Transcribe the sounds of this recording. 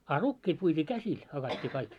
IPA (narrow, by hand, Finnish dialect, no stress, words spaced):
ɑ rukːiːt puitʲiː kæsil hɑkɑtʲːiː kɑik